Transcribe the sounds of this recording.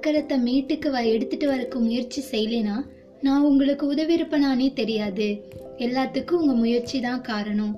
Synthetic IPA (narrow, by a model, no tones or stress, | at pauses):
kːɐɾɐt̪ːɐmiːʈːɯkːɯʋɐɾɐɛɽɯt̪ːɯʈːɯʋɐɾɯkːɯmʊjɐɾt͡ʃisɛjːleːnaː | nãːʊŋɡɐɭɯkːɯʊðɐʋɪɾɯpːɐɳaːneːt̪ɛɾɪjaːðɯ | ɛlːaːt̪ːɯkːɯ̃ʊŋɡɐmʊjɐɾt͡ʃit̪ãːkaːɾɐɳʊ̃m